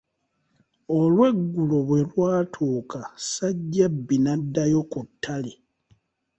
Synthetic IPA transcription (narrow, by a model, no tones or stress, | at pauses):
o̞lwe̞ɡːuloβwe̞lwaːtʰoːkasaɟːabːinadːajo̞kutʰːali